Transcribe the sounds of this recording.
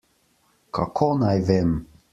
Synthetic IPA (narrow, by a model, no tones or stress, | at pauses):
kʰa̰kʰonajvem